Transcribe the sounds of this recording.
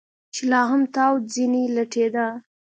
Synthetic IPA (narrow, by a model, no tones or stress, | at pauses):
t͡ʃelɑɦamt̪awd͡zinilaʈʰed̪a